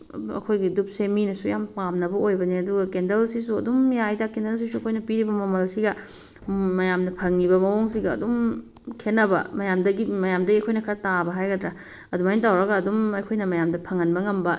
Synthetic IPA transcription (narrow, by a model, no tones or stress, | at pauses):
ɐ̰kʰojɡidup̚seminɐsujampamnɐbɐojbɐniɐduɡɐkendɐlsisuɐ̰dumjajdakendels̬isuɐkʰojnɐpiɾibɐmɐmɐlsiɡɐ | mɐjamnɐpʰɐŋnibɐmɐwoŋsiɡɐɐ̰dum | kʰenːɐbɐ̰mɐjamdɐɡimɐjamdɐɡiɐjkʰojnɐkʰɐɾɐtabɐɦajɡɐdɾa | ɐdumajnt̬awɾɐɡɐːdumɐjkʰojnɐmɐjamdɐpʰɐŋɐnbɐŋɐmbɐ